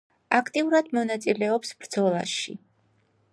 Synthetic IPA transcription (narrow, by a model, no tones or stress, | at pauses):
akʰt̪ʼiuɾad̪mɔnat̪sʼilɛɔpsb̥ɾd̪zɔlˠa̰ʃḭ